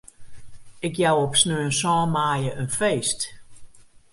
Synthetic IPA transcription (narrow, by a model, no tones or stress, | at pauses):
ɪkjawɔpsnøːənsɔːmaːjəʔønfeːst